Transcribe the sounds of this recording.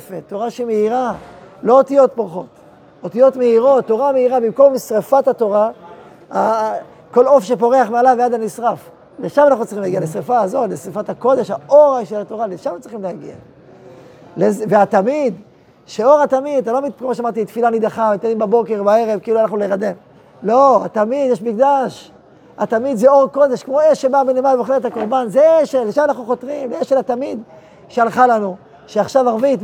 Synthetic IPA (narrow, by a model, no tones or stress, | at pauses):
fet̪ːo̞ʁaʃimeiʁalo̞ot̪ijo̞t̪̚poʁχo̞t̪ | ot̪ijo̞t̪meiʁo̞t̪ːo̞ʁameiʁabimko̞msʁefat̪hato̞ʁa | a | ko̞lo̞fʃe̞po̞ʁeaχmealavead̪anisʁaf | leʃamanaχnut͡sʁiχimlaɡijalesʁefaːzo̞t̪lesʁifat̪ako̞d̪e̞ʃhaʔoʁaʃelat̪o̞ʁaleʃamt͡sʁiχimleaɡḭa̰ | lezveat̪amid̪ | ʃeo̞ʁat̪amid̪alomikomoʃeamaʁt̪it̪filanid̪aχamit̪animbabo̞ke̞ʁbae̞ʁevkiiːluanaχnuleʁad̪e̞m | lo̞a̰t̪amid̪jeʃmikd̪aʃ | at̪amid̪zeo̞ʁko̞d̪eʃkmo̞eʃːebabenemalvoχeet̪ako̞ʁbanzeeʃelːeʃamanaχnuχo̞t̪ʁimleeʃelatamid̪ | ʃealχalanu | ʃeaχʃavaʁvit